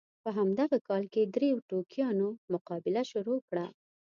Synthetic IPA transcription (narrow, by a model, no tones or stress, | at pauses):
pəɦamd̪aɣakɑlked̪ɾewʈokjɑnomʊqɑbɪlaʃʊɾokɽa